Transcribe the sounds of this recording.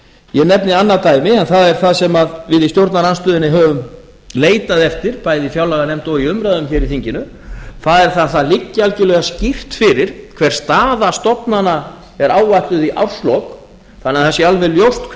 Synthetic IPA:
jɛnɛpnɪanːat̪aːjmɪɛnθaðɛɾ̥θaðsɛmaðvɪðist̪jowɾt̪naɾanst̪ʏːðɪnːɪɦœːvʏm | leːjt̪aðɛft̪ɪɾ̥pajðɪifjawlaɛɣanɛmt̪ɔiʏmɾaðʏmçɛːɾiθiɲcɪnʏ | θaðɛɾ̥θaðθaðlicːɪalcɪlœɣascɪft̪fɪɾɪɾ̥kʰv̥ɛɾ̥r̥st̪aːðast̪ɔpnana | ɛɾaːwvajht̪ʏðiʔa̰wst̪lɔk | θanaθɛsːɪalvɛljowst̪ʰ

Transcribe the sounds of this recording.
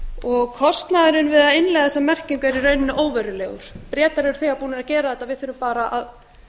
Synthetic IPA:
ɔɣkʰɔst̪naðɪɾʏnvɪðaðɪnlɛɣaðɛsamɛr̥ciŋkɛɾiɾœɥnɪnʏʔoːwvɛɾʏlɛːɣʏ̰ɾ̥pɾjɛːt̪aɾɛʏɾ̥θiɣapuːnɪɾacɛːɾaðθɛt̪avɪðθʏɾʏmpaːɾaʔað

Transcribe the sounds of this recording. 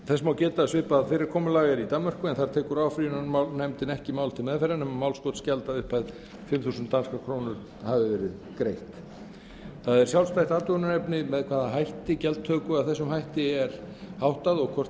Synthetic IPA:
θɛsmawcɛːt̪asvɪhpaðfɪɾɪɾ̥kʰɔːmʏlaːɣɪɾit̪amːmœr̥kʏɛnθaɾt̪ʰeːkʏɾaːwfɾiʏnaanɛmt̪ɪnɛhcɪmaːwlt̪ʰɪlmɛðfɛɾanɛmmːaːwlskowt̪scɛlt̪aðʏhpʰajð | fɪmθuːsʏnt̪ːanskakʰɾoːwnʏɾ | havɪvɛːɾɪð | kɾejht̪ | θaðɛɾ̥sjawlst̪ajht̪aːt̪ʏʏnʏnɛpnɪmɛðkʰv̥aːðaɦajht̪ɪcɛlt̪ʰœːkʏaðθɛsːʏmɦajht̪ɪɛɾhawht̪aðɔɣkʰvɔr̥

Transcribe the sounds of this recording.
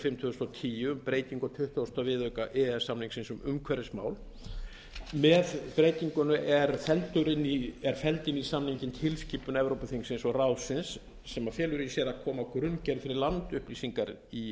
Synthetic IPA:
fɪmt̪ʰʏst̪ɔt̪ʰiːjʏʏmpɾeːjt̪iŋkɔt̪ʰʏht̪ast̪avɪðœɥkaʔɛɛsamniŋksɪnsʏmʏmkʰvɛɾɪsma̰ːwl | mɛðpɾeːjt̪iŋkʏnʏʔɛɾfɛlt̪ʏɾɪniɛɾ̥fɛlt̪ɪnisamniɲcɪnt̪ʰɪlsciːpʏnɛvɾowpʏθiŋksɪnsɔɣrawsɪnsː | ɛmafjɛːlʏɾisjɛɾakʰɔːmakɾʏncɛɾfɪɾɪɾlant̪ʏhpliːsiŋkaɾi

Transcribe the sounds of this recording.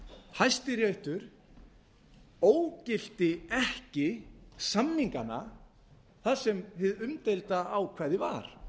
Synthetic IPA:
hajst̪ɪɾjœɥht̪ʏɾ̥ | oːwcɪl̥t̪ɪɛhcɪsamːiŋkana̰ | θḁsɛmhɪðʏmt̪ejlt̪aːwkʰvɛːðɪva̰ɾ̥

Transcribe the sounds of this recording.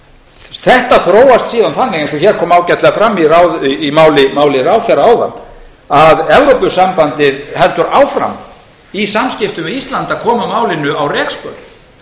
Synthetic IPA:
θɛht̪aθɾoːwast̪siːðanθanːɪɣẽnsɔçɛɾ̥kʰɔːmawcɛt̪lɛɣafɾamːirawðːmaːwlɪmaːwlɪrawθɛɾaaːwða̰nː | aðɛvɾowpʏsampant̪ɪðhɛlt̪ʏɾaːwfɾa̰m | isamscɪft̪ʏvɪðist̪lant̪aðkʰɔːmamaːwlɪnʏawrɛkspœɾ

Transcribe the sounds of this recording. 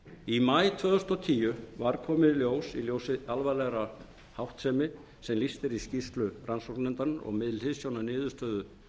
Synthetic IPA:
imajt̪ʰvœːðʏst̪ɔt̪ʰiːjʏvaɾkʰɔːmɪðljoːwsiljoːwsɪalvalɛɣɾa | hawht̪sɛːmɪ | sɛmlist̪ɪɾiscist̪lʏrʔansowɾnɛnt̪anɔ̰ɣmɪðlhɪðsjownanɪːðʏst̪œːðʏ

